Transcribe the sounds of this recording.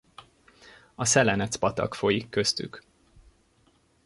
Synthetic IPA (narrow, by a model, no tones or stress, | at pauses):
ɒsɛlɛnɛt̪spɒt̪ɒ̰kfo̞jikːøst̪y̰k